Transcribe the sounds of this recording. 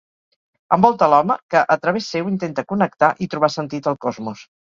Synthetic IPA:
əmbɔlˠt̪əlɔməkəʔət̪ɾəβesːewint̪ent̪əkunək̚t̪aʔit̪ɾuβ̞asənt̪it̪əlˠkɔzmus

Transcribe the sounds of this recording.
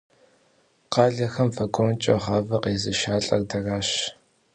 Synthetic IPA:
qɑːɮɐxɐmfɐkʷʼoːnt͡ʃʼɐ̰ʁɑːvɐqeːzɨʃaːɬʼɐ̰rdɐraːɕ

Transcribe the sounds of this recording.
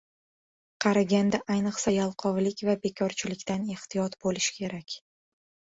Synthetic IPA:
qʰɑɾaɡʲand̪aʔajnɨqsajalˠqʰɒvlɪkʲvabe̞kʲʰɒɾt͡ʃʰɪlɪkʲt̪ane̞ht̪ɪjɒt̪bolɪʃkʲʰe̞ɾakʲ

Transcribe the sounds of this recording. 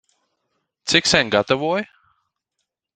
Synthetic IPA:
t͡sɪksɛŋɡat̪əvɔj

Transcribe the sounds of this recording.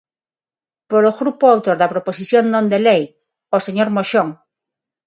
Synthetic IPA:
poɾoɣɾupoawt̪oɾðapɾoposiθjonːõnd̪elej | oseɲoɾmoʃoŋ

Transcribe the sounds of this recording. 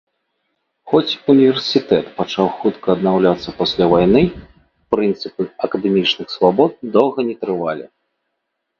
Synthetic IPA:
xɔt͡sʲunʲivʲɛrsʲit̪ɛt̪pat͡ʂawxut̪kɐːd̪nawlʲat̪sːɐpasʲlʲavajnɨ | pɾɨnt̪sɨpɨɐkɐd̪ɛmʲit͡ʂnɨxsvabɔt̪̚d̪ɔwɣɐnʲɛt̪ɾɨvalʲḭ

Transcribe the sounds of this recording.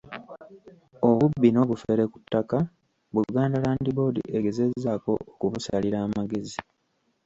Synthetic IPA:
oβubːino̞ːβufe̞ɾekutːaka | βuɡaːndalaːndibo̞ːdḭʔeɡe̞ze̞zːaːko̞̰ːkuβusaliɾaːmaɡe̞zi

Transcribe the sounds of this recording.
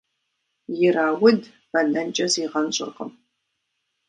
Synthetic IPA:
jɪɾaːwʊd | b̥ɐɮɐnt͡ʃʼɐziːʁɐnɕʼɪ̰rqə̰m

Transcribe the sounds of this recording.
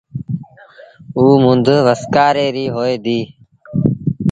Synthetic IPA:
uːmʊnd̪ʋəskaːɾeːɾiːɦoːeːd̪iː

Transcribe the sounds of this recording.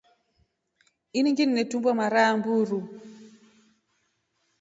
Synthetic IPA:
iniŋɡinːɛtumbwamaɾambuɾu

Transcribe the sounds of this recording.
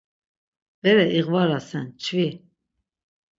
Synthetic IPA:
b̥ɛɾɛʔiɣvaɾasɛnt͡ʃʰvi

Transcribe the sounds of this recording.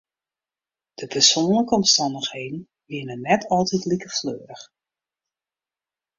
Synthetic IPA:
d̥əpʰərsoːnləkəɔmstɑndəxheːdn̩ | ʋɪənənɛtʰɔlˠtitlikəfløːɾəx

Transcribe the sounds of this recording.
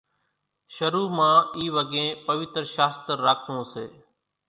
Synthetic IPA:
ʃəɾuːmãːiːʋəɡẽːpəʋɪt̪ɾʃaːst̪əɾːaːkʰnõːsḛː

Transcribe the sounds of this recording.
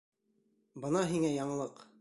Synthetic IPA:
bɤnɑɦiŋæjɑɴɤ̆lˠɤq

